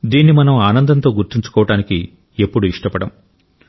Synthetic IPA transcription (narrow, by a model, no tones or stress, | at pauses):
d̪iːnːimɐnɐmaːnɐnd̪ɐnt̪o̞ːɡuɾt̪iɲt͡ʃu̥kɔːʋɐʈaːniki | e̞pːuɽuiʂʈɐpɐɽɐm